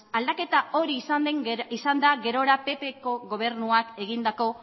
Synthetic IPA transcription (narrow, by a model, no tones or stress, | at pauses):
ald̪ake̞t̪ao̞ɾiːsand̪eŋisand̪aɡe̞ɾo̞ɾape̞pe̞ko̞ɣo̞β̞e̞ɾnuake̞ɣind̪ako̞